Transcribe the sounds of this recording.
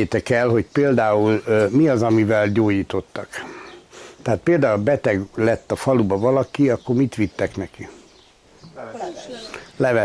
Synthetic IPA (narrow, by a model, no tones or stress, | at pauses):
eːt̪ɛkɛlɦo̞ɟpeːld̪aːulmiɒzɒmivɛlɟoːɟiːt̪o̞t̪ːɒk | t̪ɛaːt̪̚peːld̪aːulɒbɛt̪ɛɡlɛt̪ːɒfɒlubɒvɒlɒkiɒkːo̞rmit̪ʋit̪ːɛknɛki | lɛvɛ